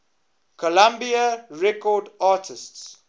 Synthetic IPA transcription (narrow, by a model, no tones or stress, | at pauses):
kʰɔlãmbiəɹɛkɔdaːtʰɪsts